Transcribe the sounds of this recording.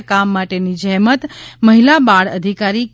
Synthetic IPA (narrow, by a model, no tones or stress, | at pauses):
kamːaʈenid͡ʒɛɦmət̪məɦilabaɽə̰d̪ʱikaɾi